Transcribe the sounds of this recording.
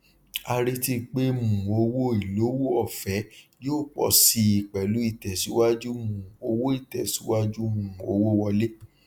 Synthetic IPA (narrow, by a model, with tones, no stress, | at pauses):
a˧ɾi˧ti˧k͡pe˦mũ˨o˧wo˦i˨lo˨˦wo˦ɔ˦˨fɛ˨˦joː˦˨k͡pɔ̰˨˧si˧i˨k͡pɛ˨lu˨˦i˦˨tɛ˨si˨˦wa˦d͡ʒu˦mũ˨o˧wo˦i˦˨tɛ˨si˨˦wa˦d͡ʒu˦mũ˨o˧wo˦wɔ˧le˦